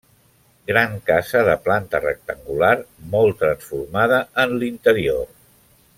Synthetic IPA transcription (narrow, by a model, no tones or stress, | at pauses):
ɡɾaŋkazəðəplant̪ərə̰k̚t̪əŋɡulaɾmɔlˠt̪ɾənsfuɾmaðəənlint̪əɾior